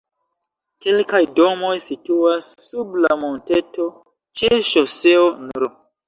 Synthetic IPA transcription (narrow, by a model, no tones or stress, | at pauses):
ke̞lkajdo̞mo̞jsituasːublamonte̞to̞ | t͡ʃeʃoseonuɾo